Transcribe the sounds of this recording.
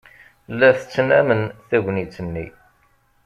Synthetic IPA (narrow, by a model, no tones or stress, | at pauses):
lːæθət͡sːnæmənθæʝʷnit͡sːənːḭ